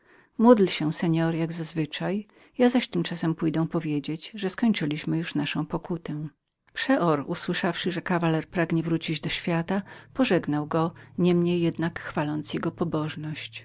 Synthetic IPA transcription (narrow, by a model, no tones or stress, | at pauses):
mud̪lɕɛsɛɲɔɾjaɡzazvɘt͡ʂaj | jazaɕt̪ɘmt͡ʂasɛmpujd̪ɛ̃w̃pɔvʲjed͡ʑed͡ʑʐɛskɔɲt͡ʂɘlʲiɕmɘjuʂnaʂɔ̃w̃pɔkut̪ɛ̃ | pʂɛʔɔɾuswɘʂafʂɘʐɛkavalɛɾpɾaɡɲɛvɾut͡ɕid͡ʑd̪ɔɕfʲjat̪apɔʐɛɡnawɡɔɲɛmɲejːɛd̪nakxfalɔnt̪sjɛɡɔpɔbɔʐnɔɕt͡ɕ